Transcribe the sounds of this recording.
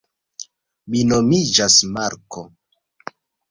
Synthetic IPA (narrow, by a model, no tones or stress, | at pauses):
minomid͡ʒasmaɾkʰo